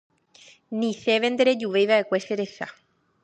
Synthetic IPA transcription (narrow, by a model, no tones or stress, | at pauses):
nĩθeβend̪eɾed͡ʒuʋejβaekweseɾeθa